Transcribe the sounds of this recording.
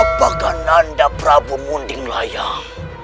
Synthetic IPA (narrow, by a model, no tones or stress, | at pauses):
pakanandapɾabumundɪŋlaja